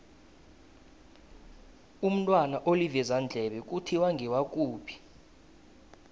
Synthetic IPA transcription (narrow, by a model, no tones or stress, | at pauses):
um̩tʼwanaʔolivɛzand͡ɮʱɛɓɛk̬ʼutʰiwaŋɡʱɛwak̬ʼuːpʰi̥